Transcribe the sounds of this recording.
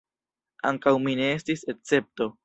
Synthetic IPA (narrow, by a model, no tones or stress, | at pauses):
a̰ŋkawmine̞estiset͡se̞p̚to̞